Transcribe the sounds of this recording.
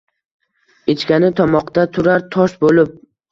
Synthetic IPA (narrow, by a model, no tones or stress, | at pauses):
et͡ʃkʲanɪt̪ʰɒmɒqd̪at̪ʰʊɾaɾt̪ʰɒʃbolɪp̚